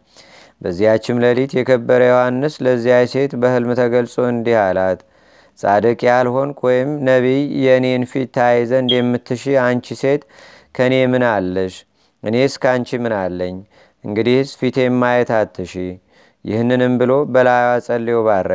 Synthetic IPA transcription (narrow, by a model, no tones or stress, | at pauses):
bəzːijat͡ʃːɪmləlit̪jɛkʰəbːəɾəjɛhanːɨsləzːijajse̞t̪bəhɨlmt̪ʰəɡəlsʼo̞ɨnd̪ihalat̪ | sʼa̰d̪əkʼijalho̞nkʰojɪmnəβijɛɨne̞nfit̪ʰːajzəɨnd̪jɛmːɨt̪ʰːɨʃiant͡ʃise̞t̪ | kʰəne̞mɨnalːəʃ | ʔɨne̞skant͡ʃimɨnalːəɲː | ʔɨŋɡɨd̪ihsfit̪ʰe̞mːajɛt̪ʰat̪ʰːɨʃi | jɪhnːɨnɨmbɨlo̞bəlajwasʼəlːeoβaɾːə